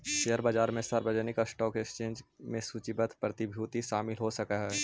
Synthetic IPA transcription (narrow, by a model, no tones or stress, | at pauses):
ʃeəɾbaːd͡ʒaːɾmẽsəɾbəd͡ʒənɪkasʈɔːkekst͡ʃẽːnd͡ʒmẽsut͡ʃɪbət̪ʰpɾət̪ɪbʱjuːt̪iʃaːmɪlɦosɐkaɦɛː